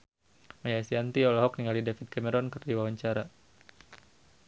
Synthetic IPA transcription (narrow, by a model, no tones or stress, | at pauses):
majasiant̪iɔlɔɦɔkniŋɡalidafid̪̚kamɛɾɔnkɨrdiwawaɲt͡ʃaɾa